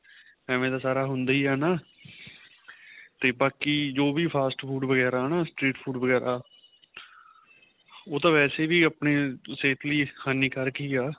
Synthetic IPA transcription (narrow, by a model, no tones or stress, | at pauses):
ɛːmẽːd̪aːsaːɾaːɦʊnd̪aːiːaːnaː | t̪eːbaːkiːd͡ʒoːʋiːpʰaːsʈpʰuːʈʋəɡɛːɾaːnaːsʈɾiːʈpʰuːʈʋəɡɛːɾaː | oːt̪ãːʋɛːseːʋiːapneːseːt̪ʰliːhaːniːkəɾkiːaː